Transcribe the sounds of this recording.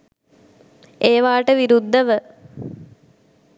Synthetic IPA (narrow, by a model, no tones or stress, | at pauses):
eːʋaːʈəʋiɾud̪ʱːəʋə